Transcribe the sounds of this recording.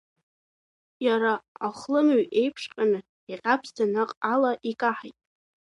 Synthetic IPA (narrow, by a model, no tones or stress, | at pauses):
jaɾaaχlɨmɥʔe̞jpʰʂqʲʼanɨ | iqʲʼapʰstʰanaqʼalaʔikʼaħajtʼ